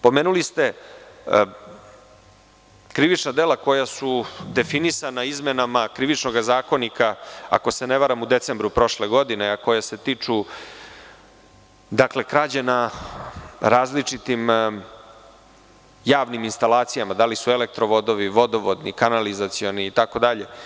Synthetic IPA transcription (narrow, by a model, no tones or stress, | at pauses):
po̞meːnulist̪e̞ | kɾiʋit͡ʃnad̪elako̞jasud̪e̞finisanaizmenamakɾiʋit͡ʃnoɡazaːko̞nikaa̰ko̞seneʋaɾamud̪e̞t̪se̞mbɾupɾo̞ʃleɡo̞d̪ineako̞jase̞t̪it͡ʂu | d̪akle̞kɾad͡ʑena | ɾaːzlit͡ʂit̪im | jaːʋniminst̪alaːt̪sijamad̪alisue̞lek̚t̪ɾoʋo̞d̪o̞ʋiʋo̞d̪o̞ʋod̪nikanalizat̪sio̞niːt̪ako̞d̪aʎe̞